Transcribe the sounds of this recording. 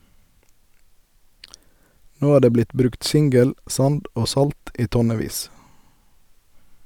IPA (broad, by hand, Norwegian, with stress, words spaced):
ˈnoː ˈæː ˈdeː ˈblɪt ˈbɾʉkt ˈsɪŋɡəl ˈsɑnd ˈoː ˈsɑlt ˈiː ˈtɔˌneːˌʋiːs